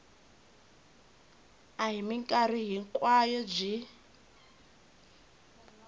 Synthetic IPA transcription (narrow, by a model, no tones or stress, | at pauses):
aɦimiŋkʼar̤iɦiŋkʼwajɔd͡ʒi